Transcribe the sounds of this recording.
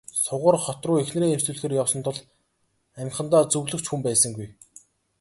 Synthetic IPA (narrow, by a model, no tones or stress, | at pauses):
sʊʁə̆rχɔt̪rʊːexn̆ɾeːemsŭːɮxeːɾjawsɞ̆nt̪ʰʊ̆ɮ | æm̆ʲχə̆nt̪aːt͡sɵɣɮɵ̆kt͡ɕxumpæːsə̆ŋɡuj